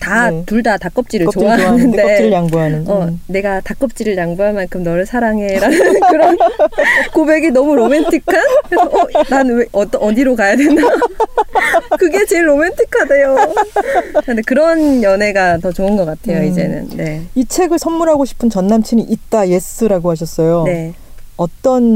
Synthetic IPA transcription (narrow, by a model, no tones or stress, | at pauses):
tatuɭdatak͈ʌp̚t͡ɕ͈iɾɯɭt͡ɕoanɯndet͡ɕiɾɯɭjaŋbuɦanɯnʌne̞ɡatak͈ʌp̚t͡ɕ͈iɾɯɭjaŋbuɦaɭmankʰɯmnʌɾɯɭsʰaɾaŋeɾanɯɾʌn | kobe̞ɡenʌmuɾomentʰikʰaɾnaneʌʌdiɾokajadwenda | kɯɡe̞t͡ɕeɭːomentʰikʰːadejo | ndekɯɾʌnjʌne̞ɡatʌt͡ɕoɯnɡʌk͈atʰe̞joid͡ʑe̞̰nɯ̰nneit͡ɕʰe̞ɡɯɭsʰʌnmuɾɦaɡoɕʰi̥pʰɯnt͡ɕʌnːamt͡ɕʰiniʔit̚t͈aje̞s͈ɯɾaɡoɦaɕ̬ʰʌs͈ʌjone | ʌt͈ʌn